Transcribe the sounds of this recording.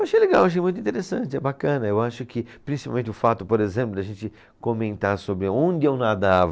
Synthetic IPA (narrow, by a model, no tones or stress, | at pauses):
ewaʃejleɡaweowaʃ̬ejmũt̪ĩt̪eɾesɐ̃nt͡ʃɪɛbakɐ̃nɐewaʃʊkʰɪpɾĩsi̥pa̰wẽnt͡ʃɪʊfat̪ʊpoɾezẽmplʊd̪aʒẽnt͡ʃɪ | komẽnt̪aɾsobɾɪõnd͡ʒ̪ɪewnad̪av